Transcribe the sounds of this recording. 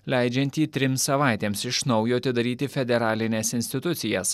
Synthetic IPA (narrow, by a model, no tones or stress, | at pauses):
lʲæˑɪd͡ʒʲɛnʲt̪ʲiːt̪ʲɾʲɪmsɐʋɑˑɪt̪ʲeːmsɪʃnɒʊjoːɐt̪ʲɪd̪ɐɾʲiːt̪ʲɪfʲɛd̪ʲɛɾɑːlʲɪnʲeːsɪnʲsʲt̪ʲɪt̪ʊt̪sʲɪjɛs